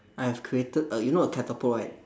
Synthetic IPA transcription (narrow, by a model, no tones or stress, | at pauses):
ʔajhɛvkʰɹietət̚əjunoəkʰɛtəpʰɔjt̚